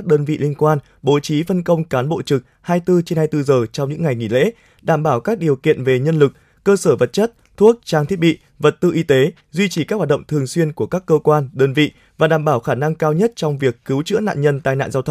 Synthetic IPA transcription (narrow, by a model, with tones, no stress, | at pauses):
a˥k̚ɗəː˧nvḭ˧˨li˧ənkwaː˧n | ɓo˨˦t͡ɕi˨˦fə˧nkə˧wŋ͡mkaː˨˦nɓo̰˧˨t͡ɕɨ˨˩k̚ | haː˧jt̪ɨ˧t͡ɕe˧nhaː˧jt̪ɨ˧zəː˨˩t͡ɕɔ˧wŋ͡mɲɨ̰˧˥ŋːa˨˩jŋḭ˧˩˨lḛ˧˥ | ɗaː˧˩mɓaː˧˩wkaː˦˥k̚ɗi˨˩əwkḭ˧˨ənve˨˩ɲə˧nlɨ˨˩k̚ | kːəː˧səː˧˩və˨˩t̚t͡ɕə˦˥t̚t̪ʰu˦˥ək̚t͡ɕaː˧ŋt̪ʰi˦˥ət̚ɓḭ˧˨ | və˨˩t̚t̪ɨ˧ʔi˧t̪e˨˦ | zwi˧t͡ɕi˧˩kaː˦˥k̚hwaː˨˩ɗə̰˧˨ŋ͡mt̪ʰɨ˨˩əŋswi˧ənku˧˩əkaː˦˥kːəː˧kwaː˧nɗəː˧nvḭ˧˨ | vaː˨˩ɗaː˧˩mɓaː˧˩wxaː˧˩na˧ŋkaː˧wɲə˦˥t̚t͡ɕɔ˧wŋ͡mvi˨˩əkːɨ˨˦wt͡ɕɨ̰˧˥əna̰ː˧˨nɲə˧nt̪aː˧jna̰ː˧˨nzaː˧wt̪ʰw